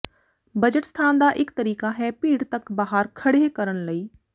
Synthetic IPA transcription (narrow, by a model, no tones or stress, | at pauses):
bɐd͡ʒəʈst̪ʰaːnd̪aʔɪkt̪ɐɾiːkaɦɛpiːɽt̪ɐkbaːɦaɾkʰɐɽekɐɾəɽlɐiː